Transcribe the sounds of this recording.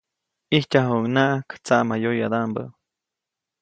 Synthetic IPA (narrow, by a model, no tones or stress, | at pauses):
ihcʲaɦoŋnaʔakt͡saʔmajojad̪ambə̰